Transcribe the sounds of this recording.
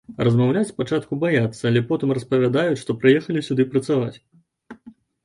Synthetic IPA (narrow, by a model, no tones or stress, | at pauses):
rɐzmawlʲat͡sʲspat͡ʂat̪kubajat̪sːɐːlʲɛpɔt̪ɨmrɐspɐvʲad̪ajuʂt̪ɔpɾɨjɛxɐlʲisʲud̪ɨpɾɐt̪savat͡sʲ